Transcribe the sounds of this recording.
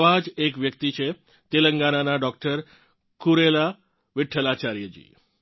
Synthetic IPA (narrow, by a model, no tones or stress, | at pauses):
ʋad͡ʒekʋjək̚t̪it͡ʃʰe | t̪eləŋɡananaɖɔk̚ʈəɾ | kuɾela | ʋɪʈʰːəlat͡ʃaɾjəd͡ʒḭ